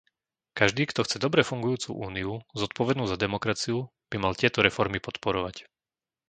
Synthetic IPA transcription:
kaʒd̪iːkt̪ɔxt͡sɛd̪ɔbɾɛfuŋɡujuːt͡sṵːʔuːniuzɔt̪̚pɔʋɛd̪nuːzad̪ɛmɔkɾat͡siu | b̥imalt̪ɪɛt̪ɔɾɛfɔɾmipɔt̪pɔɾɔʋac

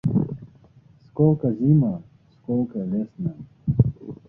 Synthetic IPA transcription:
skoːkɐzima | skoːkalesna

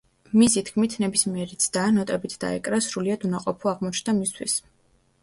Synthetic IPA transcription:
misit̪ʰkʰmit̪ʰnɛbismiɛɾit̪sʰd̪aːnɔt̪ʼɛbit̪ʰd̪a̰ɛ̰kʼɾasɾuliad̪unaqʼɔpʰuaʁmɔt͡ʃʰnd̪amist̪ʰwḭs

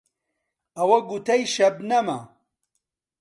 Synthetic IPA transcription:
ɐwɐɡut̪ʰɐjʃɐbnɐmɐ̰

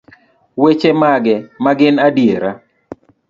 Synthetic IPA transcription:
wet͡ʃemaɡɛmaɡɪnadijeɾa

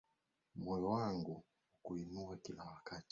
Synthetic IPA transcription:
mɔjɔwaŋɡu | ukuinuakiawakati̥

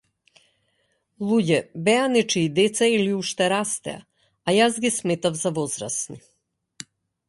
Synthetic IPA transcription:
lˠuɟɛbɛanɛt͡ʃiːd̪ɛt̪sailiuʃt̪ɛɾast̪ɛ̰a̰ː | jazɡismɛt̪avzavɔzɾa̰sni

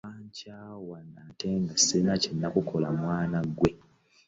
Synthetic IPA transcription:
aːɲcaːwanateŋɡasinacenːakukʰo̞lamwaːnaɡwe̞

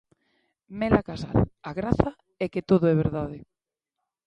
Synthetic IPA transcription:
mɛlakasa̰laɣɾaθa | ɛket̪oðoɛβ̞eɾðaðe

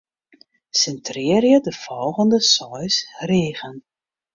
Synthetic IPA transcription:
sɛntrɪːərjədəfɔlˠɣəndəsɔjsreːɣən

